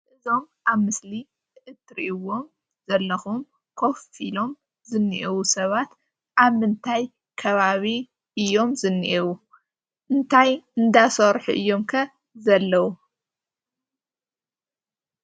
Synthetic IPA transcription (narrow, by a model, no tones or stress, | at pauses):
ʔɨzo̞m | ʔaβmɨsli | ʔɨt̪ːɾḭʔɨwo̞m | z̥ɐlːɐxum | kʰo̞filo̞m | zɨnːiʔiwusɐβat̪ | ʔaβmɨnt̪ʰaj | kʰɐβaβi | ʔɨjːo̞mzɨnːiʔiwu | ʔɨnt̪ʰajɨnd̪asɐɾħṵʔɨ̰jːo̞mkʰɐ | zɐlːɐwu